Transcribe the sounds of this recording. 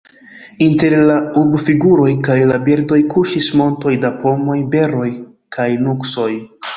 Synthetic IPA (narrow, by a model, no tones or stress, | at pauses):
inte̞ɾlaubfiɡuɾo̞jkajlabiɾdo̞jkuʃismo̞nto̞jdapo̞mo̞jbe̞ɾo̞j | kʰajnukso̞j